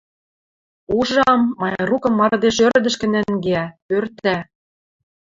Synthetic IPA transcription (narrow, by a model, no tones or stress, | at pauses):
uʒɑmːɑjrukɤ̆mːɑɾɤd̪eʃøɾd̪ə̆ʃkɘ̆næŋɡeæpørt̪æ